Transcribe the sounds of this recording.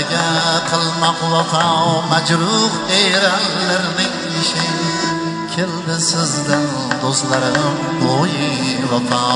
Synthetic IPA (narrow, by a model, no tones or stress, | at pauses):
ɡʲaqʰɨlˠmaqʰʊlɑt̪ʰɑwmad͡ʒɾʊɾejɾanlaɾnɪŋ | ɪʃɪ | kʲʰeld̪ɪsɪzd̪ɪn | d̪ost̪laɾɪm | bojɪlɒt̪ʰɑ